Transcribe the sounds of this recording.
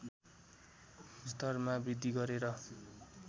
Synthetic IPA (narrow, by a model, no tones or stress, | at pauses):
st̪ʌrmabid̪ʱːiɡʌɾeɾʌ